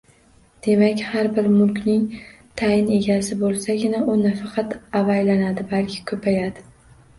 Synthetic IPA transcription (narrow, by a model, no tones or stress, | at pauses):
d̪̥e̞makʲhaɾbɪɾmʊlˠkʲnɪŋ | t̪ʰajɪne̞ɡʲasɪbolˠsaɡʲɪnaʊnafɑqʰɑt̪avajlanad̪ɪbalkʲʰɪ̥kʰɵpʰajad̪ɪ